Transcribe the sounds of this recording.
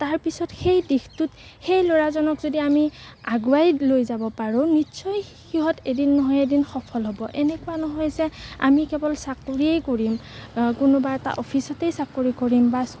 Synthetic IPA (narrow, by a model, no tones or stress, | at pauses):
taɹpisɔtxejdixtut | xejloɹazɔnɔkzodiami | aɡuajlojzabɔpaɹʊ̃nitsɔj | xiɦɔtedinːɔɦɔjedinxɔpʰɔlɦɔbɔʔɛnɛkʊanɔɦɔjzɛa̰mikɛbɔlsakoɹiejkoɹimkʊnɔbaɛta̰ʔɔpʰisɔtejsakoɹikoɹimbas